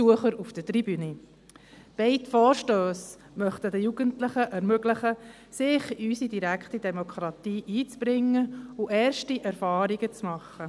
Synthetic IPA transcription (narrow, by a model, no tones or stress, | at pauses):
suəχəɾufd̥ətɾibyni | b̥eɪtfɔːɾʃtøːs | mœχtədəjuɡəntlɪχəʔɛɾmøɡlɪχə | sɪχysidiɾækχtidɛmokʰχɾɑt̪iːʔiːt͡sb̥ɾɪŋːəʊʔɛːɾʃtiʔɛɾfɑːɾiɡ̥ət͡smɑχːə